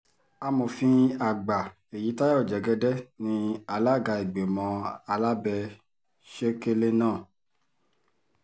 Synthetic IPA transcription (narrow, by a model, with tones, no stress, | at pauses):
a˧mõ˨fĩ˧a˨ɡ͡ba˨ | e˨ji˨˦ta˦ja˦o˨d͡ʒɛ˨ɡɛ˧˦dɛ˦nĩ˧a˧la˦˨ɡa˧i˨ɡ͡be˨mɔ̃˧a˧la˦bɛ˧ | ʃe˦ke˧le˦nãː˦˨